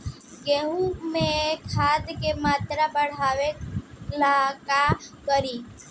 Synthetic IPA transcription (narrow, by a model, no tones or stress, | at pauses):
ɡeɦũmẽekʰːad̪kemat̪ɾabəɽ̤aʋelakakəɾi